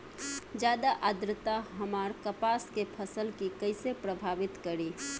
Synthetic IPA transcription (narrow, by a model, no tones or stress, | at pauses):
d͡ʒjaːd̪aʔəd̪ɾət̪aɦəmaːɾkəpaskepʰəsəlkikəɪsepɾəbʱaʋɪt̪kəɾi